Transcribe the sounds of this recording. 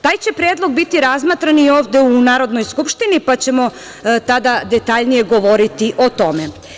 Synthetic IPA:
t̪aːjt͡ɕe̞pɾed̪lˠo̞ɡ̚bit̪iɾazmat̪ɾanio̞ːʋd̪eunaːɾo̞d̪no̞jskupʃt̪inipat͡ɕe̞mo̞ | t̪ad̪ad̪e̞t̪aʎnije̞ɡo̞ʋoɾit̪iʔo̞t̪o̞me

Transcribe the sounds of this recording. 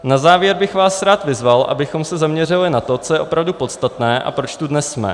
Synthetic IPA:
nazaːvjɛɾbɪxvaːsɾaːt̪vɪzvalʔa̰bɪxo̞msɛzamɲɛrɪlɪnat̪o̞t͡sojɛʔo̞pɾavdupo̞t̪st̪at̪nɛːʔa̰pɾo̞t͡ʃt̪udnɛsmɛ̰

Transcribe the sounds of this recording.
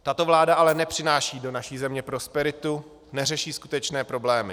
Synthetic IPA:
t̪at̪o̞vlaːdaʔalɛnɛpr̥ɪnaːʃiːdo̞naʃiːzɛmɲɛpɾo̞spɛɾɪt̪u | nɛrɛʃiːskut̪ɛt͡ʃnɛːpɾo̞blɛːmɪ

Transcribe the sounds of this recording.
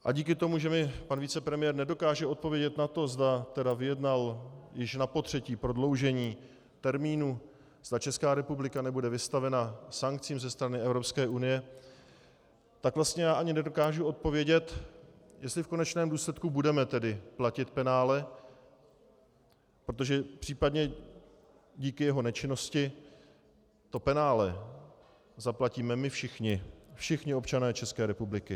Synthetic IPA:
ʔa̰ɟiːkɪt̪o̞muʒɛmɪpanviːt͡sɛpɾɛmɪjɛːɾnɛdo̞kaːʒɛʔo̞t̪̚po̞vjɛɟɛt̪nat̪o̞zd̪at̪ɛdavɪjɛdnaljɪʃnapo̞t̪r̝̥ɛciːpɾo̞dlo̞wʒɛɲiː | t̪ɛɾmiːnu | z̥d̪at͡ʃɛskaːɾɛpublɪkanɛbudɛvɪst̪avɛnasaŋk̚t͡siːmzɛst̪ɾanɪɛvɾo̞pskɛːʔunɪjɛ | t̪akvlast̪ɲɛjaːʔaɲɪnɛdo̞kaːʒuo̞t̪̚po̞vjɛɟɛt̪jɛst̪lɪfko̞nɛt͡ʃnɛːmduːslɛt̪kubudɛmɛt̪ɛdɪplacɪt̪pɛnaːlɛ | pɾot̪̬o̞ʒɛpr̥iːpadɲɛ | ɟiːkɪjɛɦo̞nɛt͡ʃɪno̞scɪ | t̪o̞pɛnaːlɛ | zaplaciːmɛmɪfʃɪxɲɪfʃɪxɲɪo̞pt͡ʃanɛːt͡ʃɛskɛːɾɛpublɪkɪ

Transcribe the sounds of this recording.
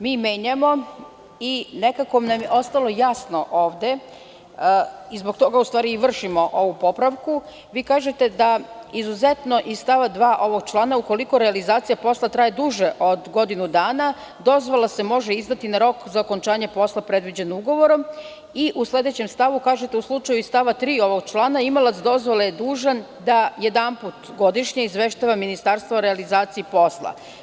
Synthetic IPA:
miːmeːɲamo̞ | ine̞kako̞namjeʔo̞st̪alo̞jasno̞ʔo̞ːʋd̪e̞ | izbo̞kt̪o̞ɡaust̪ʋaːɾiiʋr̩ʃimo̞ʔo̞ʋupo̞pɾaʋku | ʋiːkaːʒet̪e̞d̪aizuze̞t̪no̞ʔisst̪aʋad̪ʋaːʔo̞ʋo̞ɡ̚t͡ʃlˠaːnauko̞liko̞ɾealizaːt̪sijapo̞slˠat̪ɾaːjed̪uʒeʔo̞d̪ɡo̞d̪inud̪aːna | d̪o̞zʋolase̞mo̞ʒeizd̪at̪inaɾo̞kzao̞ko̞nt͡ʃaːɲe̞po̞slˠapɾe̞d̪ʋid͡ʑe̞nouɡo̞ʋo̞ɾo̞m | iʔuslˠe̞d̪e̞t͡ɕe̞mst̪aʋukaːʒe̞t̪e̞uslˠut͡ʃajuist̪aʋat̪ɾiːo̞ʋo̞ɡ̚t͡ʃlˠaːnaimolˠat̪sd̪o̞zʋolejed̪uːʒan | d̪ajed̪amput̪ɡo̞d̪iʃɲeizʋeʃt̪aʋaminist̪aɾst̪ʋaoɾealizaːt̪sijipo̞slˠa̰

